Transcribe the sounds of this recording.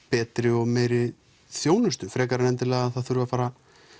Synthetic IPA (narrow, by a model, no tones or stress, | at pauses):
pɛːt̪ɾɪɔɣmeːjɾɪ | θjoːwnʏst̪ʏfɾɛːkaɾɪnɛnt̪ɪlɛːɣaðθaðθʏɾvafaːɾa